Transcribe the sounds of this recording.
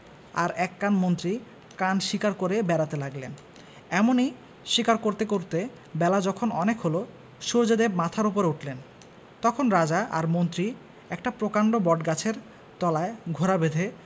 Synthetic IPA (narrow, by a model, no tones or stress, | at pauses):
a̰ɾɛkːanmont̪ɾi | kanʃikaɾkoɾebɛɾat̪elaɡlen | ɛmonij | ʃikaɾkoɾt̪ekoɾt̪e | bɛlad͡ʑɔkʰonɔnekɦolo | ʃud͡ʑed̪ebmat̪ʰaɾup̬oɾeuʈʰlen | t̪ɔkʰonɾad͡ʑaʔa̰ɾmont̪ɾi | ɛkʈapɾokaɳɖobɔɖɡat͡ɕʰeɾ | t̪ɔlaeɡʱoɾabed̪ʱe